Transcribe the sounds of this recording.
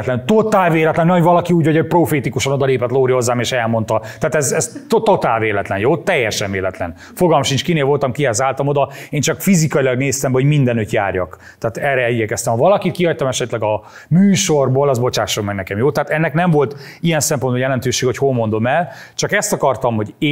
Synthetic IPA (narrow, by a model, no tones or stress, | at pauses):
t̪lɛnt̪ot̪aːlveːlɛt̪lɛnːɛovɒlɒkiuːɟhooc̚proːfeːt̪ikuʃɒno̞d̪ɒleːpɛt̪loːɾiho̞zːaːmeːʃɛlmo̞nt̪ɒt̪aːt̪ɛzɛzt̪ot̪ot̪aːlveːlɛt̪lɛnjoːt̪ɛjːɛʃɛnveːlɛt̪lɛ̰n | foɡɒlmɒʃint͡ʃkineːlvo̞lt̪ɒmkiɦɛzaːlt̪ɒmo̞d̪ɒeːnt͡ʃɒkfizikɒilɒɡneːst̪ɛmbɛɦoɟmind̪ɛnøt̪ja̰ːrjɒ̰k | t̪aːt̪ɛrɛɛiɟɛkɛst̪ɛmhɒvɒlɒkit̪̚kihɒc̚t̪ɒmɛʃɛt̪lɛɡɒ | myːʃo̞rboːlɒzbo̞t͡ʃaːʃːolmɛɡnɛkɛmjoːt̪aɦːt̪ɛnːɛknɛɱvo̞lt̪ | ijɛnsɛmpo̞nbɒjɛlɛnt̪øːʃeːɡɛhocholmo̞nd̪o̞mɛlt͡ʃɒkɛst̪ɒkɒrt̪ɒmho̞ɟː